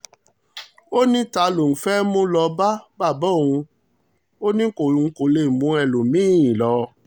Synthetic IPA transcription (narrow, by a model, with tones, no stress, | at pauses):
o˦nĩ˦ta˧˦lo˨n̩˨fɛ˦mũ˦lɔ˧ba˦ba˦˨bɔ˦˨ũ˧ | o˦nĩ˦ko˨ũ˨˧˨ko˨le˧˨mũ˨˦ɛ˧˨lo˨mĩ˨˦˨ĩ˨lɔ˨˧˦